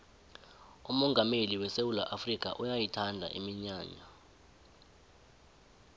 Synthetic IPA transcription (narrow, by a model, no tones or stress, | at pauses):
umɔŋɡʱameliwɛsewulaʔafrik̬ʰʼa̰ʔujajitʰandʱa̰ʔimiɲaːɲa